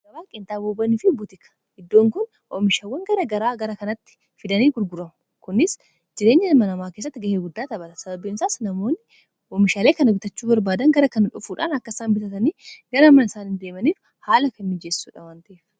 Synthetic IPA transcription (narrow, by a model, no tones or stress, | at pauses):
ɡɐɾaːkʼɪnt̪aːboːbɐnɪfɪbʊt̪ɪkɐ̥ | ɪd̪ːo̞ːŋkʊn | ʔɔmɪʃaːwːɐŋɡɐɾɐɡɐɾaːɡɐɾɐkɐnɐt̪ːɪ̥ | fɪd̪ɐniːɡʊɾɡʊɾɐmʊ | kʊnɪs | d͡ʒɪɾe̞ːɲːɐmɐnɐmaːkesːɐt̪ːɪɡɐheːɡʊd̪ːaːt̪ɐbɐᶑɐsɐbɐbiːnsaːsnɐmo̞ːnːɪ | ɔmɪʃaːleːkɐnɐɡʊt̪ɐt͡ʃːuːbɐɾbaːd̪ɐŋɡɐɾɐkɐnᶑʊfuːᶑa̰ːnɐkːɐsaːmbɪt̪ɐt̪ɐniːɡɐɾɐmɐnɪsaːnɪnd̪e̞ːmɐniːf | haːlɐkɐmːɪd͡ʒeːssṵːᶑɐwaːnt̪ɐʔeːf